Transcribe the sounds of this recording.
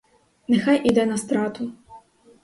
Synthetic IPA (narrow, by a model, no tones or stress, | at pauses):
nɛxajʔid̪ɛnɐst̪ɾat̪u